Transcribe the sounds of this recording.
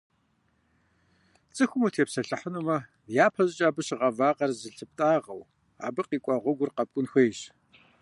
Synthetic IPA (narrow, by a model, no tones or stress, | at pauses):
t͡sʼɨxʷʊmuːtʰeːpsɐɬɨħənumɐ | jaːpʰɐʑt͡ʃʼaːbɨɕʁɐvaːqɐrzɨɬɨp̚tʼaːʁɐ̰w | a̰ːbɨqiːkʷʼɑʁʷʊɡʷʊrqɐp̚kʷʼʊnxʷeːjɕ